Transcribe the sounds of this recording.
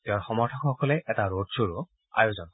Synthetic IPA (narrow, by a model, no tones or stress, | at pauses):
tewaɹxɔmɔɹtʰɔkxɔkɔlɛʔɛtaɹod̚soɹo | a̰jozɔn